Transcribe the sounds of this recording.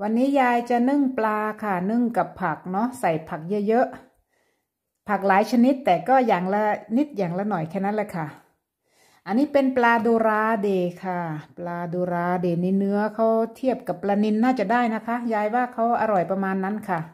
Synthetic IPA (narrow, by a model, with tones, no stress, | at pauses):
wa˧nːiː˦˥jaː˧jt͡ɕa˨˩nɯ˧˥˩ŋplaː˧kʰa˥˩nɯ˥˩˨ŋka˨˩pʰːa˨˩k̚nɔ˦˥sa˨˩jpʰa˨˩k̚jɤ˦˥jɤ˦˥ʔ | pʰa˨˩k̚laː˨˦jt͡ɕʰa˧ni˦˥t̪ːɛː˨˩kɔː˥˩jaː˨˩ŋlɛ˧˥ni˦˥t̪̚jaː˨˩ŋlɛ˧˥nɔ˨˩jkʰɛː˧˩na˦˥nlɛː˧˥˩kʰa˥˩ | ʔa˧nːiː˦˥pe˧nplaː˧doː˧ɾaː˧deː˧˩kʰa˥˩plaː˧doː˧ɾaː˧deː˨˩ni˧nɯ˦˥ɐkʰa˦˥wt̪ʰi˥˩əp̚ka˨˩pːlaː˧ni˧nːaː˥˩t͡ɕa˨˩daː˥˩jna˦˥kʰa˦˥jaː˧jwaː˥˩kʰa˦˥wʔa˧ɾɔ˨˩jpa˧maː˧nːa˦˥nkʰa˥˩